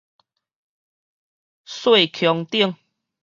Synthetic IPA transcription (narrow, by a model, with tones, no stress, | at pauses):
swe˥˨kʰjɔ˧ŋt̪i˦˥˨əŋ